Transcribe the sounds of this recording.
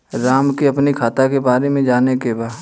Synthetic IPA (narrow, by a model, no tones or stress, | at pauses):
ɾaːmkiɐpnikʰaːt̪akebaːɾemẽd͡ʒaːnekebaːd̪